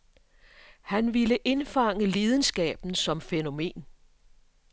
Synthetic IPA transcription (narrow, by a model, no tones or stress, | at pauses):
hænʋiləʔe̝nfɑ̈ŋ̰əleːðˠən̩sɡ̥ɛ̰ːb̥n̩sɒ̽mfeno̝me̝̰ːn